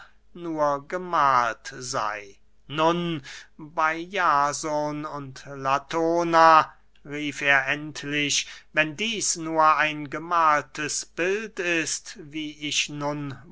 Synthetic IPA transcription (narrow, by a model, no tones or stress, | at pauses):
nuːɐɡəmaːltza̰ɪ | nʊnbaɪjaːzonʊntlatʰoːna | ʁiːfeːɐʔɛntʰlɪʃvɛndiːsnuːɐaɪnɡəmaːltəsb̥ɪltɪstviːɪʃnʊn